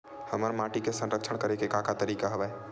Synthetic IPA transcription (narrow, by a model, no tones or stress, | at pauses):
həməɾmaʈikesə̃nɾəkt͡ʃʰəɳkəɾekekakat̪əɾiːkaɦəʋae